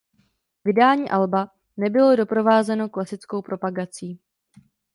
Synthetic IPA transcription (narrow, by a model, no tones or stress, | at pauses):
vɪdaːɲiːʔalba | nɛbɪlo̞do̞pɾo̞vaːzɛno̞klasɪt͡sko̞wpɾo̞paɡat͡siː